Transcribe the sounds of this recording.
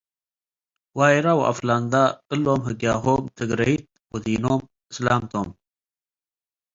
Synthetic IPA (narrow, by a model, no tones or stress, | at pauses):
waːjɾawʔa̰fland̪aɨlːomɦɨɡjaːɦomt̪ʰɨɡɾɐjit̪̚wɐd̪iːnom | ɨslamt̪ʰom